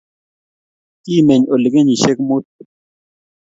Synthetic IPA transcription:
kiː˦˨me˨ɲo˨li˨ke˦ɲi˨ʃe˦k̚mu˦t̪̚

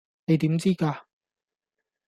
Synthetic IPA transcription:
ne˨˧jt̪iː˨˥mt͡siː˥kaː˧

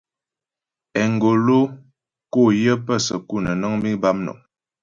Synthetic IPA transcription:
ɛ˨ŋ˨ɡo˨lo˦ | ko˦˨jə˦pə˦˨sə̰˨ku˦˨nə˨nə˦ŋmi˦ba˦mnɔ̰˨

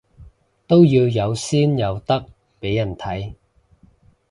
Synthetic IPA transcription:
t̪o˥wjiː˧wjɐ˨˧wsiː˥njɐ˨˧wt̪ɐ˥k̚ | pe˨˥jːɐ˨˩nt̪ʰɐ˨˥j

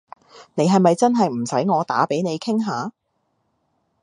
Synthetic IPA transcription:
ne˨˧jɦɐ˨jmɐ˨jt͡sɐ˥nɦɐ˨jm̩˨˩sɐ˨˥jŋɔː˨˧t̪a̰ː˨˥pe˨˥jne˨˧jkʰɪ˥ŋɦaː˨˧

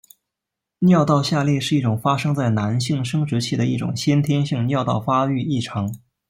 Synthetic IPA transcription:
njɑ˥˧ʊt̪ɑ˥˧ʊɕja˥˧ljɛ˥˧ʂɻ̩˥˧i˥˩ʈ͡ʂʊ˨˩ŋfa˥ʂɤ˥ŋt͡sa˥˩ɪna˧˥nɕi˥˩˧ŋʂɤ˥ŋʈ͡ʂɻ̩˧˥t͡ɕʰi˥˩d̪ə˩i˥˩ʈ͡ʂʊ̰˨˩ŋɕjɛ˥nt̪ʰjɛ˥nɕi˥˧ŋnjɑ˥˧ʊt̪ɑ˥˩ʊfa˥y˥˧i˥˩ʈ͡ʂʰɑ˧˥ŋ

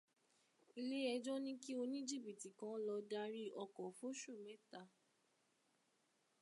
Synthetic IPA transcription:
i˧le˦ɛ˧d͡ʒɔ̃˦nĩ˦ki˦o˧nĩ˦d͡ʒi˦˨bi˨ti˨kã˨˧˦lɔ˧da˧ɾi˦ɔ˧kɔ˨fo˦ʃu˦˨mɛ̃˨˦ta˧

